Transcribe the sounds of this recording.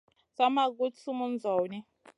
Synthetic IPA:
sa˦ma˦k̬u˦t͡sʰu˦mu˦nd͡zʱɔː˨ni˦

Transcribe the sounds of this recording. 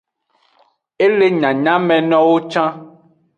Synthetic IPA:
e˦le˦ɲã˨ɲã˦mɛ̃˨nɔ̃˦wo˦t͡ʃã˦

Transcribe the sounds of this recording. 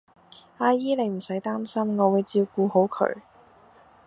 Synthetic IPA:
aː˧jiː˥le˨˧jm̩˨˩sɐ˨˥jt̪aː˥msɐ˥mŋɔː˨˧wuː˨˧jt͡siː˧wkuː˧ho˨˥wkʰɵ̰˧˩ɥ

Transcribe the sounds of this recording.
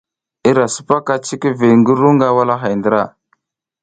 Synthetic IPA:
i˦ɾa˨su̥˨pa˦ka˦t͡ʃi˦ki˦ve˨ŋɡə˦ɾu˦ŋɡa˦wa˦la˦ɦa˨jndə˨ɾa˦˨

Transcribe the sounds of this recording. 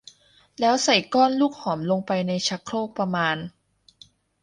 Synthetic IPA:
lɛː˦˥wsa˨˩jkɔː˥˩nluː˥˩k̚hɔː˩˦mlo˧ŋpa˧jna˧jt͡ɕʰa˦˥kʰɾoː˥˩k̚pɾa˧maː˧n

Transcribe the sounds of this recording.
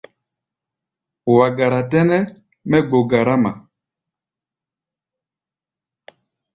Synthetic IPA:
wa˨ɡa˨ɾa˨tɛ˦nɛ˦ | mɛ˦ɡ͡bo˨ɡa˨ɾa˦ma˨

